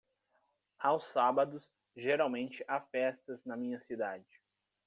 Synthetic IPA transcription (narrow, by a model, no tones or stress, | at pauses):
awsabɐd̪ʊs | ʒeɾawmẽnt͡ʃɪʔafɛst̪ɐznɐmĩɲɐsid̪ad͡ʒɪ